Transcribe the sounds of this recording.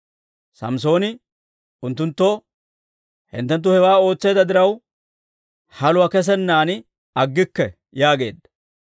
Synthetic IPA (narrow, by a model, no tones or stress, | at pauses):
sɐ̰ms̬o̞ːnɪ | ʊnt̪ːʊnt̪ːɔ | hɪ̰nt̪ːɛnt̪̬ːʊhɛwaːo̞ːt͡sːe̞ːd̪ɐd̪ɪɾɐw | hɐlʊwɐkɛs̬ɛnːaːnɪ | ɐɡːɪkːɛ | jaːɡe̞ːd̪ːɐ̥